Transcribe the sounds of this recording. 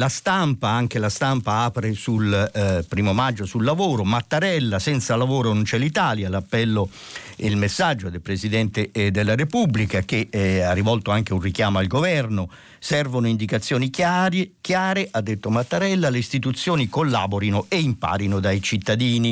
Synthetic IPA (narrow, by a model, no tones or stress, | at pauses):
last̪ampaaŋk̟elast̪ampaaːpɾesulpɾiːmomad͡ʒːosulːavoːɾomat̪ːaɾɛlːasɛnt̪salavoːɾonont͡ʃɛlit̪aːljalapːɛlːo | elmesːad͡ʒːod̪elpɾesid̪ɛnt̪ɪd̪elːaɾepubːlikak̟earːivɔlt̪oaŋk̟eunrikjaːmoalɡovɛrno | sɛrvonʊind̪ikat̪sːjoːnikaɾekjaːɾeʔad̪ːet̪ːomat̪ːaɾɛlːaleist̪it̪ut̪sːjoːnikolːa̰ːboɾinoeimpa̰ːɾinod̪ajt͡ʃit̪ːad̪iːni